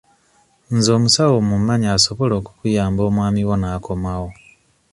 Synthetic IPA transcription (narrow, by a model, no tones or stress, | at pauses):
nzo̞ːmusawomumaɲaaso̞βo̞lo̞ːku̥kujaːmbo̞ːmwaːmiwo̞nako̞mwawo